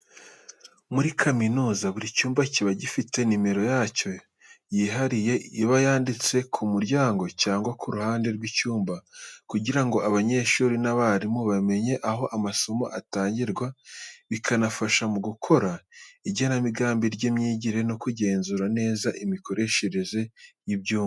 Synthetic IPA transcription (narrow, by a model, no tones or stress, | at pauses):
muɾikʰaminuːzaβuɾicuːmbaciβaɟifite̞nime̞ɾo̞jaːco̞ | jiɦaɾije̞iβajaːndit͡se̞kʰumuɾɟaːŋɡo̞caːŋɡwakʰuɾuhaːnde̞ɾɡwicuːmbakuɟiɾaŋɡo̞ʔaβaɲe̞ʃuːɾinaβaɾimuβame̞ɲe̞ʔaɦo̞ʔamaso̞mo̞̰ʔataːɲɟiɾɡwaβikʰanafaʃamuɡukʰo̞ɾaiɟenamiɡaːmbiɾɟemɲiːɟiɾe̞no̞kuɟe̞ːnzuːɾane̞ːzaʔimiko̞ɾe̞ʃe̞ɾe̞ze̞jibɟuːm